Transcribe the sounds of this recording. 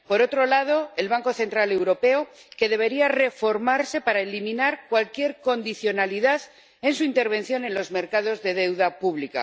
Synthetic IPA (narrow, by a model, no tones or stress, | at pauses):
po̞ɾo̞t̪ɾo̞laðo̞e̞lβ̞aŋko̞θe̞nt̪ɾale̞wɾo̞pe̞oke̞ðe̞β̞e̞ɾiare̞fo̞ɾmaɾse̞paɾaelimĩnaɾkwalkje̞ɾko̞nd̪iθjo̞naliðað | e̞nsuint̪e̞ɾβ̞e̞n̟θjo̞ne̞nlo̞zme̞ɾkað̞o̞zðe̞ð̞e̞wðapuβlika̰